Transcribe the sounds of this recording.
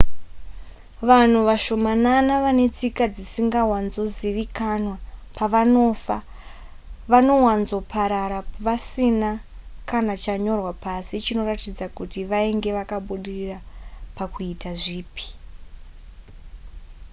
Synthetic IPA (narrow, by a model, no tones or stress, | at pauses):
ʋan̤uʋaʃo̞mananaʋane̞t͡sikad͡zisiŋɡawanzo̞ziʋikanwapaʋaofa | ʋano̞wanzo̞pʰaɾaɾaʋasina | kanat͡ʃaɲo̞rwapasit͡ʃino̞ratid͡zakutiʋaeŋɡe̞ʋakaɓuɗirirapakuitaʐiːpi̥